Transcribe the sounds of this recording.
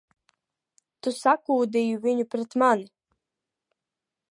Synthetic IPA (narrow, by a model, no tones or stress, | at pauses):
t̪usakuːd̪ejuviɲupɾɛt̪manɪ